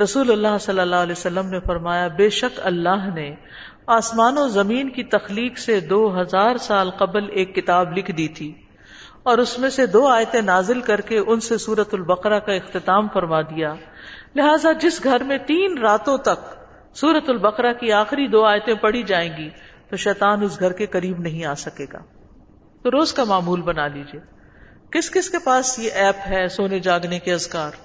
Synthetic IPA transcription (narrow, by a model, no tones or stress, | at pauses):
ɾɐsuːlɐlːaɦsɐlːəlːaːleːsɐlːəmnefɐɾmaːjabeːʃɐkɐlːaːɦne | aːsmaːnozɐmiːnkit̪ɐxliːksed̪oːɦɐzaːɾsaːlqɐbleːkːɪt̪aːblɪkʰd̪iːt̪ʰiː | ɔːɾʊsmẽsed̪oːaːjt̪ẽnaːzɪlkɐɾkeʔʊnsesuːɾət̪ʊlbɐqɾakaɪxt̪ɪt̪aːmfɐɾmad̪ijaːlɪɦaːzad͡ʒɪsɡʱɐɾmẽt̪iːnɾaːt̪õt̪ɐk | suːɾət̪ʊlbɐqɾakiaːxɪɾid̪oːaːjt̪ẽpɐɽ̤id͡ʒaːẽːɡit̪oʃɛːt̪aːnʊsɡʱɐɾkekɐɾiːbnɐɦĩaːsɐkeːɡa̰ː | t̪oɾoːzkamaːmuːlbɐnaːliːd͡ʒieː | kɪskɪskepaːsjeʔɛːpɦɛsoːned͡ʒaːɡnekeɐzkaːɾ